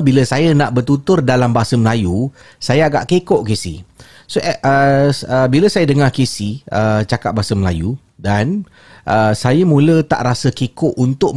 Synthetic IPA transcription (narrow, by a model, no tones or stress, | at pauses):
biləsajanaʔbərt̪ut̪ʊrdalambasəməlaju | sajaaɡa̰ʔkekɔʔkesḭ | soʔʔəəbiləsajadəŋakesiət͡ʃakat̪̚basəməla̰ju | dan | ʔəsajamũlət̪a̰ʔɾasəkekɔʔunt̪ʊʔ̚